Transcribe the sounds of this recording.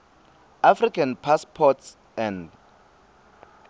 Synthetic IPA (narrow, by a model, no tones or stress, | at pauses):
afrikʰanpʰaspʰɔts | ɛ̃nd